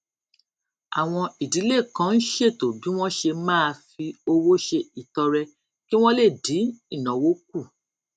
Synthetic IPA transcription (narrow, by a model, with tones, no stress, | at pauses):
a̰˨w̃ɔ̃˧i˨di˨˦le˦˨kã˨˦n̩˦ʃe˦˨to˨bĩ˨˦w̃ɔ̃˦ʃe˧mãː˦˧fi˧o˧wo˦ʃe˧i˨tɔ˧ɾɛ˧ | ki˦w̃ɔ̃˦le˦˨di˨˦i˦˨nã˨wo˦k̚u˦˨